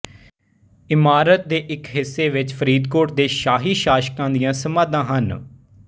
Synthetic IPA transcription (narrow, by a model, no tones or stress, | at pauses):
ɪmaːɾət̪̚d̪eːʔɪkɦɪsːeːʋɪt͡ʃfʰəɾiːd̪koːʈd̪eːʃaːɦiːʃaːʃkãːnd̪ɪjãːsəmãːd̪ãːɦən